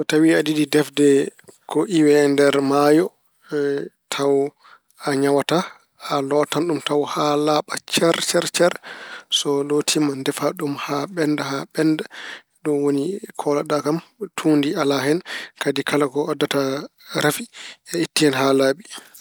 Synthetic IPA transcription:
sɔtawiadididɛfdɛkɔʔiwɛndɛɾmajɔ | tʰaw | aɲawata | alɔtanɗumtawhalaɓat͡ʃɛɾt͡ʃɛɾt͡ʃɛɾsɔlotʰimandɛfaɗumhaɓɛndahaɓɛnda | ɗumwonikʰɔlaɗakamtʰundialaɦɛnkadikalakɔɔdːataɾafiɛitːihɛnɦalaːɓi

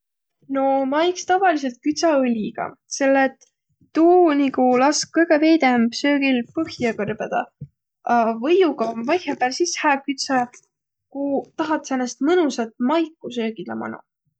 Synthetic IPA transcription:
no̞mɑjkst̪ɑvɑlis̬e̞lt̪̚kyt̪sɑɯlʲiɡ̥ɑ̰se̞lːet̪ː | uːnikulɑskkɤjɡ̥eve̞ːd̪eæmb̥sø̞ːɡ̥ilpɤhjɑkɤrb̥ed̪̥ɑ̰ | ɑvɤjuɡɑmvɑjheb̥æːlsishæːkyt̪sɑ | kut̪ɑɦɑt̪ːsenːest̪mɤnusɑt̪̚mɑjkːˑusøːɡ̥id̪lɑmɑ̰nṵ

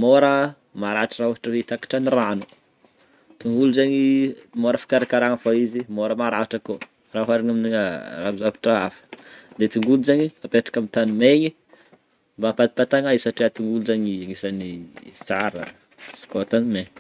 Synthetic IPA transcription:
moɾə | maɾaʈ͡ʂərauɦaʈ͡ʂəwet̪aki̥ʈ͡ʂaniranu | t̪uŋɡuluzaɲimoɾəfi̥kaɾakaɾaŋafaizimoɾəmaɾaaʈ͡ʂəko | raɦaɾinaminiŋarabizavḁʈ͡ʂaafə̥d̪et̪uŋɡulud͡ʒaɲiapeʈ͡ʂḁkamit̪animeɲi | mbampad̪i̥pat̪aŋaisaʈ͡ʂiat̪uŋɡulud͡ʒaɲiaŋisanit͡saɾə̰ | skot̪anmeɲ

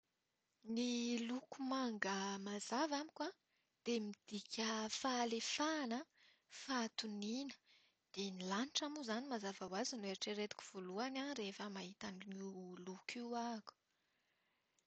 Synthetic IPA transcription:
nilukumaŋɡəmazavamikwa | d̪̥emid̪̥ikʲʰəfalefanə | fat̪uninə̥ | d̪̥enilaniʈ͡ʂamuzanimazavawazinueɾiʈ͡ʂeɾet̪i̥kʲu̥v̥oluanarefəmaɦit̪animilukiwaku̥

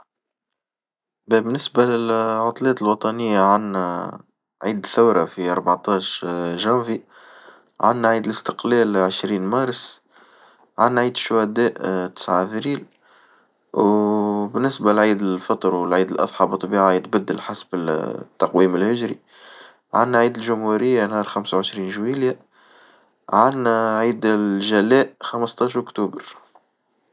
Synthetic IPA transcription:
bɛbɪnːɪsbalɪlʕʊt̪ˤlɛːt̪əlwɑt̪ˤɑnɪjːaʕanːæ | ʕiːd̪θawɾˤɑfiʔɑ̰ɾˤbɑʕt̪ɑːʃʒæːvi | ʕa̰nːʕiːd̪ələst̪ə̥qlɛːlʕəʃɾiːnmɑːɾˤs | ʕanːʕiːd̪ʃwæd̪ɛːʔt̪ɪ̥sʕafɾiːl | wbɪnːɪsbalʕiːd̪ɪlfɑt̪ˤɾwəlʕiːd̪əlʔɑ̰ðˤħɑbət̪ˤːbiːʕaʕijd̪bæd̪ːəlħasbɪt̪ːɑqwiːmɪlhɪʒɾḭ | ʕanːæʕiːd̪ɪlʒʊmhuɾɪjːanhɑːɾˤxamsawʕəʃɾiːnʒwilja | ʕanːæʕiːd̪ɪlʒælæːʔxaməst̪ˤɑːʃʔʊkt̪uːbəɾ

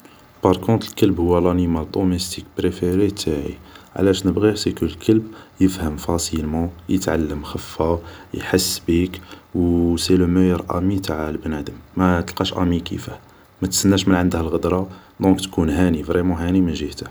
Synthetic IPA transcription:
pɑɾˤkɔ̃t̪ˤəlkəlbhʊwːælænimæld̪omest̪ikpɾefeɾet̪ʰaʕḭʕ̰læʃnəbɣisikulkʰəlbjəfhəmfɑsilmɑ̃jə̰t̪ʕalːəmxəfːæjħəsːbikwsiləməjəɾʔæ̰mit̪aʕalbnæd̪əmːæt̪əlqɑʃʔæmikḭfæ | mæt̪sənːæʃmənʕənd̪həlɣəd̪ɾˤɑ | d̪ɔ̃kt̪kunɦænivɾɛmɑ̃ɦænimənʒiht̪ə

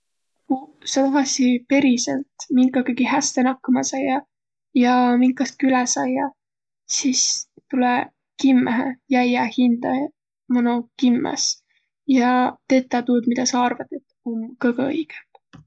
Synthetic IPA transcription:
kusɑt̪ɑvɑst̪ipe̞ɾiselt̪miŋkːˑɑkeɡihæst̪enɑkːɑmɑsɑjɑ | jɑmiŋkːˑɑst̪̚kylɛsɑjːɑ | sis | t̪ulɛ | kimːeɦḛjæjɑhind̪̥ɑ | mɑnukimːɑ̰s | jɑt̪e̞t̪ːˑɑt̪uːd̪mid̪ɑsɑɑrvɑt̪et̪ːonkɤɡɤjɡ̥e̥

